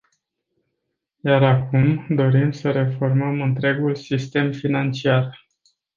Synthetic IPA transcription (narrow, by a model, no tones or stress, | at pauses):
jaɾakumd̪o̞ɾimsəɾe̞fo̞rməmɨnt̪ɾe̞ɡulsist̪e̞mfinant͡ʃiar